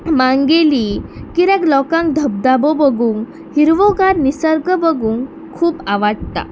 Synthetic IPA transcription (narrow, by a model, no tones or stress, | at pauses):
mãŋɡelikiɾɛklɔkãŋk̚d̪ʱəb̚d̪abobəɡuːŋ | ɦiɾʋɔɡaɾnisəɾɡəbəɡuːŋ | kʰuːpaʋaɽt̪a̰